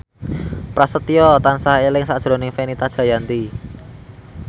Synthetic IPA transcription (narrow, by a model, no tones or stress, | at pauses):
pɾasət̪iɔt̪ansaelɪŋsad̥ʒ̥ɾo̤nɪŋfenit̪adʒ̥ä̤jant̪i